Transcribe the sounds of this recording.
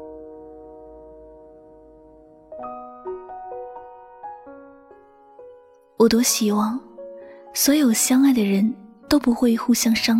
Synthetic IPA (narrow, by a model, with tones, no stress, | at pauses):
wɔ˨˩t̪wɔ˥ɕi˨˩xwɑ˥˩ŋ | swɔ˧˥jo˨˩ʊɕjɑ˥ŋa˥˩ɪd̪ə˩ɻə˧˥nt̪o˥ʊpu˧˥xwe˥˧ɪxu˥˧ɕjɑ˥ŋʂɑ˥ŋ